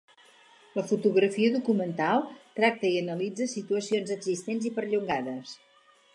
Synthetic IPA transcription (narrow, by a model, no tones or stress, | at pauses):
ləfut̪uɣɾəfiəðukumənt̪alˠt̪ɾak̚t̪əiənəlid͡zəsit̪uəsionzəɡzist̪enzipəɾʎuŋɡaðəs